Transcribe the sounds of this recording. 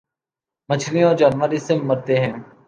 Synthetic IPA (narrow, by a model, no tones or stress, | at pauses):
mət͡ʃʰliɔːɾd͡ʒaːnʋəɾiseməɾt̪eɦɛ̃ː